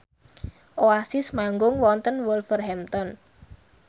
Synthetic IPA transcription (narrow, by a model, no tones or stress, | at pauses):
ʔoasɪsmaŋɡʊŋwɔnt̪ənwʊlfərhɛmt̪ɔn